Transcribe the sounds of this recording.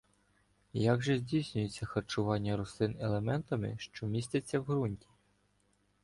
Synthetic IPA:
jaɡʒɛzʲdʲijsʲnʲʊjet͡sʲːɐxɐrt͡ʃʊʋɑnʲːɐɾʊslˠɪnelˠemɛnt̪ɐmɪ̰ʃt͡ʃɔmʲisʲtʲɐt͡sʲːɐwɦɾunʲtʲi̥

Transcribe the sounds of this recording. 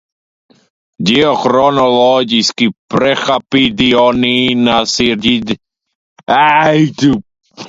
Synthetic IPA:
d̪iɔxɾɔnɔlɔɡiskipɾɛxapid̪iɔninasiɾɟid̪ | ajt̪u

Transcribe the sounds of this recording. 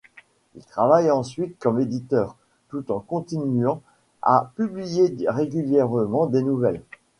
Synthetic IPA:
ḭlt̪χavajɑ̃sɥit̪̚kɔmed̪it̪œːʁ | t̪ut̪ɑ̃kɔ̃t̪inyɑ̃ | a̰pyblijeʁeɡʲyljɛʁəmɑ̃d̪enuvɛl

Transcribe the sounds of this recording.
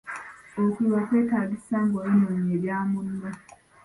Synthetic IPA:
otiwakwe̞ːtaːɡisaːŋɡoenːoɲeljaːmunːo

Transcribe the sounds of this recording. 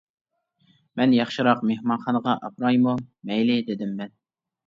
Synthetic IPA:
mɛnjɑχʃɨɾɑqmehmɑnχɑnʁɑʔɑ̰p̚ɾɑjmumɛjlɪd̪ɪd̪ɪmːɛn

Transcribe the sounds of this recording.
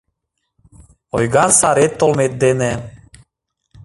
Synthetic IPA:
ojɣɑnsɑɾet̪ːolmet̪̚d̪ene

